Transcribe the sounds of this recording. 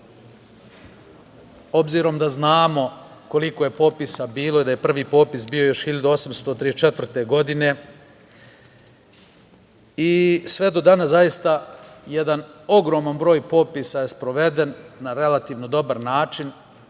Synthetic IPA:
o̞bziːɾo̞md̪aznaːmo̞ko̞liko̞je̞po̞pisabiːlo̞id̪aje̞pr̩ʋiːpo̞ːpisbio̞jo̞ʃxiʎad̪uo̞samst̪o̞t̪ɾit͡ʃe̞t̪ʋr̩t̪e̞ɡo̞d̪ine̞ | isʋe̞d̪o̞d̪aːnazajist̪aje̞d̪ano̞ɡɾo̞ːmanbɾo̞ːjpo̞pisaje̞spɾo̞ʋe̞d̪e̞nːaɾe̞lat̪iːʋno̞d̪o̞baɾnaːt͡ʃin

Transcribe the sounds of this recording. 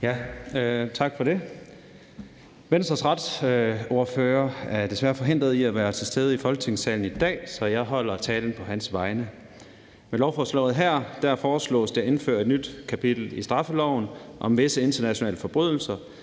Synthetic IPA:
jæøt͡sʰɑ̈ɡ̥fɒ̽ɾe̝ | ʋensd̥ʁɐsʁɑ̈d̥so̝ɐføːɐæɐd̥e̝sʋæɐfɒ̽ɦe̝n̰d̥ʁð̞̩ˠiæʋæːɐt͡sʰe̝sd̥eð̞ˠəifɒ̽lɡ̥ə̥t͡sʰe̝ŋsɛ̰ːln̩id̥ɛ̰ːsɒ̽jɑ̈ɪɦɒ̽l̰ɐt͡sʰɛːln̩pʰɒ̽ɦænsʋɑ̈ɪnə | melɒʊfɒːslɒ̰̽ʊð̩ˠɦæɐ̰d̥æɐ̰fɒːslɔ̰̽ːsd̥e̝e̝nfø̰ɐ̰e̝d̥nyd̥kʰæpʰid̥l̩isd̥ʁɑ̈fəlɒʊnʔɒ̽mʋe̝səe̝nd̥ɐnæɕo̝nɛ̰ːləfɒ̽b̥ʁyðˠl̩sɐ

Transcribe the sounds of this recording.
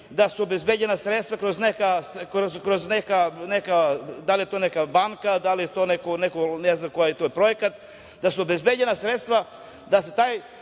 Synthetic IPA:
d̪asuobezbed͡ʑenasɾet̪st̪ʋakɾoznekaskɾozkɾoznekanekad̪alijet̪onekabaŋkad̪alijet̪onekonekoneznamkojaet̪ojepɾo̞jekat̪ | d̪asuobezbe̞d͡ʑenasɾet̪st̪ʋa | d̪aset̪aːj

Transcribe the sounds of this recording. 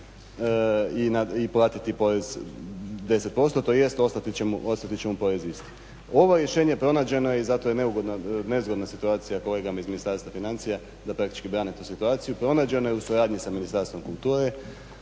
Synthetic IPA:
inaiplˠaːt̪it̪ipo̞ɾez | d̪e̞se̞t̪̚po̞st̪ot̪o̞jest̪o̞st̪at̪it͡ɕemuʔo̞st̪at̪it͡ɕe̞mupo̞ɾezist̪i̥ | o̞ʋoɾje̞ʃeːɲepɾo̞naːd͡ʑe̞no̞jeizat̪ojene̞uɡo̞d̪nane̞zɡonasit̪uaːt̪sijako̞le̞ːɡamaizminist̪aɾst̪ʋafinant̪sija | d̪apɾak̚t̪i̥t͡ʃkibɾaːnet̪uːsit̪uaːt̪sijupɾo̞naːd͡ʑe̞no̞jeusuɾaːd̪ɲisaminist̪aɾst̪ʋo̞mkulˠt̪uːɾe

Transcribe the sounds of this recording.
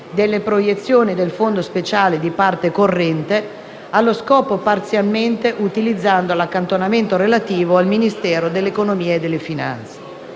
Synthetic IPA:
d̪elːepɾojet̪sːjoːnid̪elfond̪ospet͡ʃaːled̪ipart̪ekorːɛnt̪e | alːoskɔːpopart̪sjalment̪eʔut̪ilid̪zːand̪olakːant̪onament̪oɾelat̪iːvoalminist̪ɛːɾod̪elːekonomiːeːd̪ːelːefina̰nt̪se̥

